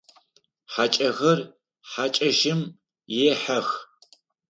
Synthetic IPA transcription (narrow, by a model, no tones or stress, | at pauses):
ħat͡ʃʼɐɣɐr | ħat͡ʃʼɐʒɪm | jɛħɐx